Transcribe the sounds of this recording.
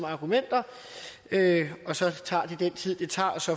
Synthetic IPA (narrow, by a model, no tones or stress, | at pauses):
mɑ̈ɡ̥umen̰d̥ɐ | øɒ̽sɒ̽t͡sʰɑ̈ːd̥id̥en̰t͡sʰið̰ˠd̥e̝t͡sʰɑ̰̈ːɒ̽sɒ̽